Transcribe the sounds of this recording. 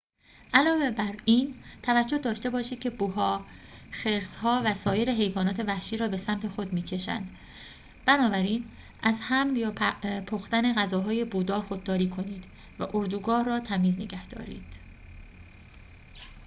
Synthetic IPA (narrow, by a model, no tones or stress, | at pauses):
ʔælɒːve̞bæɾint̪ʰævæd͡ʒːo̞d̪ɒːʃt̪e̞bɒːʃiːd̪̥̚cʲʰe̞buɦɒːxeɾshɒːvæsɒːje̞ɾe̞ɦe̞jvɒːnɒːt̪ʰe̞væhʃiːɾɒːbe̞sæmt̪ʰe̞xo̞d̪miːcʰe̞ʃæ̰nd̪̥ | b̥ænɒːbæɾiːn | ʔæzhæmljɒːpʰoxt̪æne̞ɣæzɒːɦɒːje̞buːd̪ɒːxod̪ːɒːɾiːkʰo̞niːd̪̥ | væ̰ʔoɾd̪uɡɒːhrɒːt̪ʰæmiːznḛɡæhd̪̥ɒ̰ːɾḭːd̪̥